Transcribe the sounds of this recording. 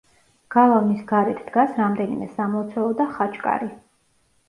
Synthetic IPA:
ɡ̥alˠavnisɡaɾɛt̪ʰd̪̥ɡasɾamd̪ɛnḭmɛsamɔt̪sʰɛlˠɔd̪aχat͡ʃʼkʼa̰ɾi

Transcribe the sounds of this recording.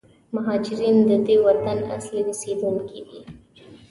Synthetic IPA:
maɦɑd͡ʒɪɾind̪əd̪ewaɾt̪ana̰sliwesed̪unkid̪ḭ

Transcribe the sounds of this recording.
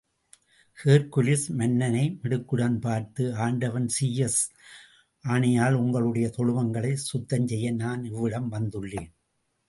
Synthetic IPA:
heːɾkʊlɪsmɐnːɐnɐɪmɪɽɯkːɯɽanpaːɾt̪ɯaːɳɖɐʋɐnsiːjɛs | ʔaːɳɐjaːlʊŋɡɐɭɯɽɐjɐt̪ɔɻɯʋɐŋɡɐɭɐɪsʊt̪ːɐɲt͡ʃɛjːɐnaːnɪʋːɪɽɐmʋɐnd̪ɯɭːeːn

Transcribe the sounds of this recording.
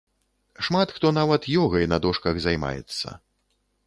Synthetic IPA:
ʂmat̪xt̪ɔn̪avɐt̪jɔɣɐjnɐd̪ɔʂkɐɣzajma̰jɛ̰t̪sːɐ̰

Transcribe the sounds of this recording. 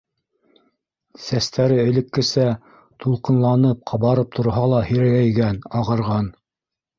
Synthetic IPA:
sæst̪æɾɘɘ̆lɘ̆kːɘ̆sæ | t̪ʰulˠqɤ̆nlˠɑnɤp̚qʰɑβɑɾɤp̚t̪ʰŏɾɦɑlˠɑhɘ̆ɾælæjɡænɑʁɤ̆ɾʁɑn

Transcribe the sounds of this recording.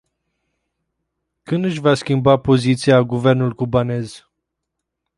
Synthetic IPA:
kɨnd̪ɨʃ̬vaskʲimbapo̞zit̪siaɡuve̞rnulkubane̞z

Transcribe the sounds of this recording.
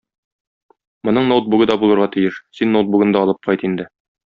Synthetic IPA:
mŏnɤɴnowt̪̚buɡɤd̪ɒbulˠɤ̆ɾʁɑt̪ijɘʃsinːowt̪̚buɡɤnd̪ɑɒlˠɤp̚qʰɒjt̪ind̪ɘ

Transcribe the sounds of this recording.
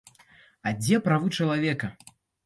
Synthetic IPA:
ɐd͡zʲɛpɾavɨt͡ʂɐlˠavʲɛkɐ

